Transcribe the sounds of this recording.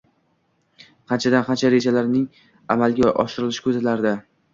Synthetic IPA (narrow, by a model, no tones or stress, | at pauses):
qʰɑnt͡ʃʰad̪anqʰɑnt͡ʃʰaɾe̞d͡ʒalaɾnɪŋ | amalɡʲaʔɒ̰ʃɪɾɪlɪʃɪ̥kʰɵzlaɾd̪a